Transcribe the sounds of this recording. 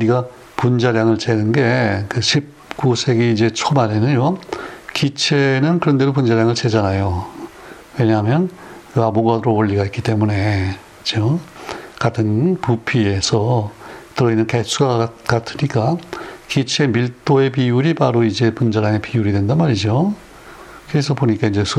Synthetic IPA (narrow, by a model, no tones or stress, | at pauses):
uɾiɡa | pund͡ʑaɾjaŋɯɭt͡ɕe̞nɯnɡe̞kɯɕʰip̚k͈usʰe̞ɡeid͡ʑe̞t͡ɕʰomaɾe̞nɯɲjokit͡ɕʰe̞nɯnkɯɾʌnde̞dop̬und͡ʑaɾjaŋɯɭt͡ɕe̞d͡ʑanajo | we̞ɲaɦamjʌnkɯamoɡadɯɾooʎːiɡaik͈it͈e̞mune̞ | t͡ɕʌkatʰɯnpupʰie̞sʰʌtɯɾʌinːɯnkes͈ʰuɡakatʰɯɲik͈akit͡ɕʰemiɭt͈oe̞p̬ijuɾipaɾoid͡ʑe̞pund͡ʑaɾaŋe̞pijuɾidwe̞ndanmaɾid͡ʑo | kɯɾesʰʌpoɲik͈aid͡ʑe̞sʰ